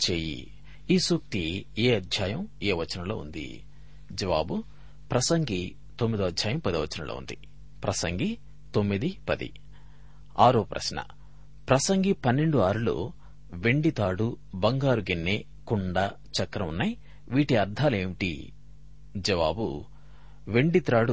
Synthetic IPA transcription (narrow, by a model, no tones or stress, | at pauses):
t͡ʃeːjḭ | iːsuːk̚t̪ieːɐd̪ʱjaːjɐmeːʋɐt͡ʃːɐnɐloːṵnd̪ḭ | d͡ʒɐʋaːbu | pɾɐsɐŋɡi | t̪o̞mːid̪uɐd̪ʱjaːjɐmpɐd̪iʋɐt͡ʃːɐnɐlo̰ːṵnd̪i | pɾɐsɐŋɡi | t̪o̞mːid̪ipɐd̪ḭ | aːɾoːpɾɐ̰ʃnɐ̰ | pɾɐsɐŋɡipɐnːe̞ɳɖuaːɾulo̰ | ʋe̞ɳɖit̪aːɽu | bɐŋɡaːɾuɡinːe | kuɳɖɐ | t͡ʃɐkːɾɐunːaj | ʋiːʈiɐɾd̪ʱaːleːʋiʈḭ | d͡ʒɐʋa̰ːbṵ | ʋe̞ɳɖit̪ɾaːɽu